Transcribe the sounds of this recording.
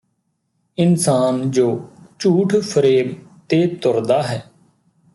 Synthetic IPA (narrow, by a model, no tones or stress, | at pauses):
ɪnsaːnd͡ʒoːt͡ʃuːʈʰpʰəɾeːbt̪eːt̪ʊɾd̪aːɦɛː